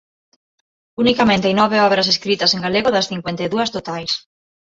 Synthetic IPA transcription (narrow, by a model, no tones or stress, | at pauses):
unikamẽnt̪ejnɔβeɔβɾɐseskɾit̪ɐseŋɡaleɣoðɐsθiŋkwent̪eðuɐst̪ot̪ajs